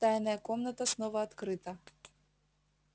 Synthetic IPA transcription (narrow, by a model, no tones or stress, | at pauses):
t̪ajnɐjɐkɔmnɐt̪ɐsnɔvɐːt̪kɾɨt̪ɐ